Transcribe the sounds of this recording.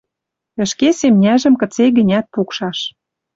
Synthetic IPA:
ə̆ʃkesemnʲæʒə̆mkə̆t͡seɣə̆nʲæt̪̚pukʃɑʃ

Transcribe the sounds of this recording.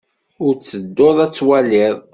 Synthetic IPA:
ʊɾt͡sːəd̪ːoðˤæt͡sːwælɪðˤ

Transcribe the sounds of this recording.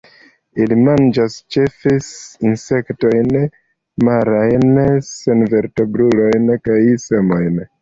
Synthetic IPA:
ilimand͡ʒast͡ʃe̞fesinse̞kto̞jn | maɾajnse̞nve̞ɾte̞bɾulo̞jnkajse̞mo̞jn

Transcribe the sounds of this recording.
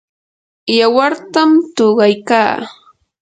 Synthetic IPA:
jawaɾt̪amt̪oɢɑjkaː

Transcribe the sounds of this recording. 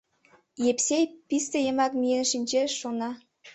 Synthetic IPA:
jepsʲejpist̪ĕjəmɑkmienʃinʲt͡ɕeʃonɑ

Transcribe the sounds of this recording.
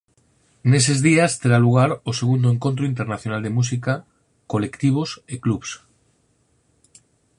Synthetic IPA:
nese̞zðiast̪eɾaluɣ̞aɾose̞ɣund̪oeŋko̞nt̪ɾoint̪̬e̞ɾnaθjonald̪e̞mus̬ika | kole̞kt̪iβ̞oseklups

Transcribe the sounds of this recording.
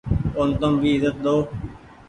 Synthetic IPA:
ont̪əmbʱiːɪzət̪̚d̪oː

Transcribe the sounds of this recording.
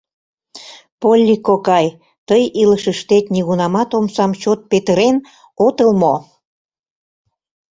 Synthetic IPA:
polʲːikːokɑj | t̪əjiləʃəʃt̪et̪nʲiɣunɑmɑt̪omsɑmt͡ɕot̪̚pet̪əɾen | ot̪əlmo

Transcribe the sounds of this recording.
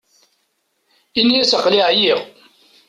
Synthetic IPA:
iniæsəqːliʕjiʁ

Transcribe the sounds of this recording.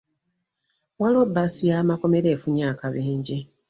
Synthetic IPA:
walobːasijaːmako̞me̞ɾe̞ːfuɲaːkaβeːɲɟi

